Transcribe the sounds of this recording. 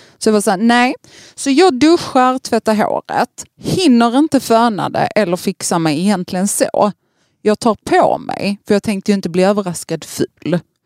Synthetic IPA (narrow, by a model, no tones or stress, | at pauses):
sɔd̪avasæːnɛː | sɔjɑːɡ̚d̪ɵɧːaɾt̪ʰvɛt̪ːaɾɦo̰ːɾə̰t̪hɪnːəɾɪnt̪əfœːɳa̰d̪ɛ̰ʔɛlːəɾfɪksamɛjɛjɛnt̪ʰlɪɡənso̰ː | jɑːɡ̚t̪ʰɑːɾpʰo̰mɛ̰jfœɾjɑːɡ̚t̪ʰɛŋkt̪əjɵɪnt̪əbliːøːvəɾaskad̪fʉl